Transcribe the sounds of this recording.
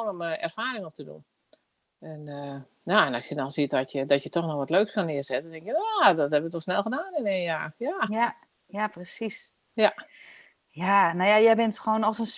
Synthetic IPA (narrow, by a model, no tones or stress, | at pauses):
ŋɔməɛ̰rfaːɾɪŋɔp̚tədṵn | ɛnə | naɛnɑsjənɔnˠsiət̚dɔtjədɔtjətɔxnɔxʋɔtløːkskɔnɪərzɛtndɛŋkjənadɔthɛbəʋətɔxsnɛlˠxədaːnɪneːnjaːjaa | japrəsis | ja | janajajɛjbɪntxʋoːnɔsəns